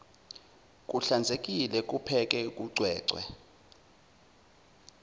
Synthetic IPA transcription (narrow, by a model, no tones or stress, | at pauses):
k̬ʼuɬand͡zʱek̬ʼilɛk̬ʼupʰɛk̬ʼɛk̬ʼuɡ͡ǀʱwɛːǀʱwɛ̰